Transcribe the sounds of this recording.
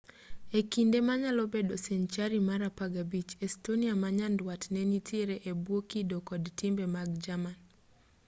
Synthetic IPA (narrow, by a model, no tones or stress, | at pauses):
ekindemaɲalɔbedoseɲt͡ʃaɾimaɾapaɡabit͡ʃɛstoniamaɲandwatnɛnitʰiɾeʔebwokidokɔdtɪmbemaɡd͡ʒaman